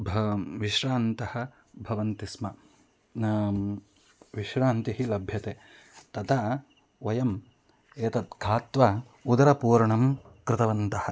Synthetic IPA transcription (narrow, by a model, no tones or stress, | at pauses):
bʱɐʋiʃɾaːnt̪ɐhɐ̆ | bʱɐʋɐnt̪ismɐ | ʋiʃɾaːnt̪iɦilɐbʱjɐt̪eː | t̪ɐt̪ʰa | ʋɐjɐm | eːt̪ɐt̪̚ɡʰʱaːt̪ʋɐ | ud̪ɐɾɐpuːɾɐɳɐmkɾɪt̪ɐʋɐnt̪ɐhɐ̆